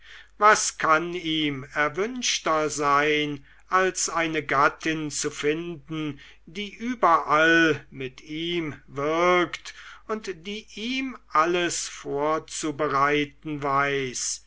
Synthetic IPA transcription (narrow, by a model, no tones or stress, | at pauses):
vaskʰaniːmɛɐvʏnʃtɐzaɪn | ʔalsʔaɪnəɡatʰɪnt͡sufɪndn̩ | diːʔyːbɐʔalmɪtʰiːmvɪɐktʊntd̥iːʔiːmʔaləsfoːɐt͡subəʁaɪtn̩vaɪs